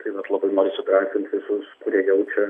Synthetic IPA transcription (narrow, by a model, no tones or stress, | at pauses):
t̪ɐɪʋɐt̪lˠɐbɐɪnoːɾʲiːsʲʊɡɾɑːsʲt̪ʲɪnt̪ʋʲɪsʊskʊɾʲiɛjɛʊt͡ʃʲɛ